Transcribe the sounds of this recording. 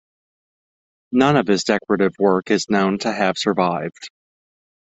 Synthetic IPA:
nʌ̃nʌv̥ɨzdɛkəɹɨɾɨvwɜ˞kɨznõʊ̃ntʰɨɨv̥sə˞vaɪvd̥

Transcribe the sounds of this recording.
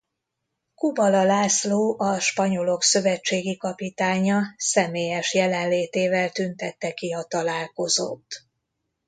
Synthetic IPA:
kubɒlɒlaːsloːʔɒʃpɒɲo̞lo̞ksø̞vɛt͡ʃːeːɡikɒpit̪aːɲɒsɛmeːjɛʃjɛlɛnleːt̪eːvɛlt̪ynt̪ɛt̪ːɛkiɒt̪ɒlaːlko̞zo̰t̪ː

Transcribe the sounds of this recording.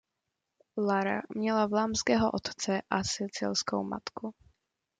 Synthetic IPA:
laɾa̰mɲɛlavlaːmskɛːɦo̰ʔot̪t͡sɛʔasɪt͡sɪ̰lsko̰wma̰t̪ku

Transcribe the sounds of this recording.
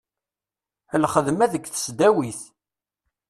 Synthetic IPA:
əlχəðmæðəɡθə̥sd̪æwiθ

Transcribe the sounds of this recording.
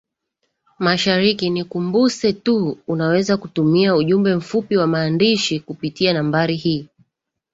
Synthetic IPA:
maʃaɾikinikumbusɛtuunawɛzakutumiauʄumbɛm̩fupiwamaːndiʃikupitianambaɾihiː

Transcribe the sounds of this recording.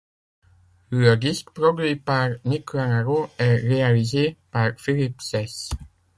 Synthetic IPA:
ləd̪iskpʁɔɡʁipaʁnikanaʁoɛʁealizepaʁfilipsɛs

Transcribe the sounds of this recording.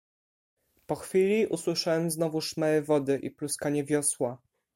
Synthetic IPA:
pɔxfʲilʲiʔuswɘʂawɛmznɔvuʂmɛɛvɔd̪ɘʔḭpluskaɲɛvʲjɔswa

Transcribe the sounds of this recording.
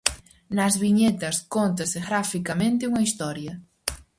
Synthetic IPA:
nɐzβiɲet̪ɐskont̪ɐseɣɾafikamẽnt̪̬ɪuŋɐist̪ɔɾjɐ

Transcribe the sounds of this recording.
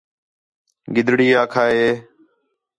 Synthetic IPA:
ɡɪd̪ʱɽiːaːkʰaːɦeː

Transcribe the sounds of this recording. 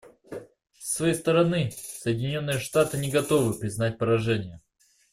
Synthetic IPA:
sːvɐjejst̪əɾɐnɨsəjɪdʲɪnʲo̞nːɨjəʂt̪at̪ɨnʲɪɡɐt̪o̞vɨpɾʲɪznat̚ʲpəɾɐʐɛnʲɪjə

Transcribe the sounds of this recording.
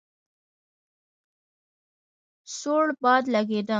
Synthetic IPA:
soɽbɑd̪laɡed̪ə

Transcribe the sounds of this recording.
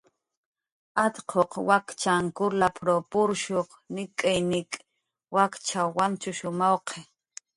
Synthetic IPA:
at̪qʰoqwakt͡ʃaŋkʊɾlapʰɾopʊɾʃoq | nɪkʼajnɪkʼ | wakt͡ʃawant͡ʃʊʃʊmɑwqʰe

